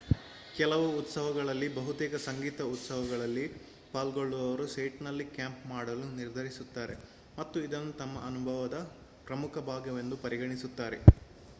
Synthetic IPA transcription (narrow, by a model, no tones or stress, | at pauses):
kɛlɐʋuːt̪sɐʋɐɡɐɭɐlːibɐɦut̪ɛːkɐsɐŋɡiːt̪ɐut̪sɐʋɐɡɐɭɐlːi | paːlɡo̞ɭːuʋɐʋɐɾusɐjʈnɐlːikjaːmpmaːɽɐluniɾd̪ʱɐɾisut̪ːaːɾe̞̰ | mɐt̪ːuid̪ɐnːut̪ɐmːɐʔɐnubʱɐʋɐd̪ɐ | pɾɐmukʰɐbʱaːɡɐʋe̞nd̪upɐɾiɡɐɳisut̪ːaːɾe